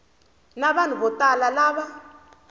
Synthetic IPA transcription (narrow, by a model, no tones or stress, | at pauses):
naɓanuɓɔtʼalalaːɓa